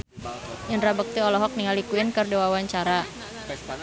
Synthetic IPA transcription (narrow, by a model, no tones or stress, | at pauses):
janrabək̚t̪iɔlɔɦɔk̚niŋalikuɪnkərdewawaɲt͡ʃaɾa